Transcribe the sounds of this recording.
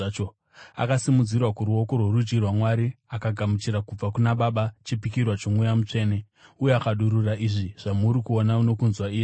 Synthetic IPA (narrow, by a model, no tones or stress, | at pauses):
o | a̰kasimud͡zirwakuɾuo̞ko̞rworud͡ʒɡirwamwaɾiakaɡʱamut͡ʃiɾakub͡vakunaɓaɓat͡ʃipikirwat͡ʃomwujamut͡ʂe̞ːne̞ | ujeakaɗuɾuraʔiʐiʐ̥amuɾikuonaono̞kunzwaiːje